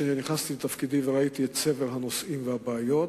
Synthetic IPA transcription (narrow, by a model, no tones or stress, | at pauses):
eniniχnast̪ilet̪afkid̪imveʁait̪iet̪se̞velɦano̞sʔimvehabeːjo̞t